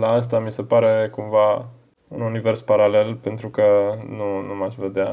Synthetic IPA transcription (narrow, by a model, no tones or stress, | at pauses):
laas̬t̪amise̞paɾe̞kumva | ununive̞rspaɾale̞lpe̞nt̪ɾukənunumaʃve̞d̪ea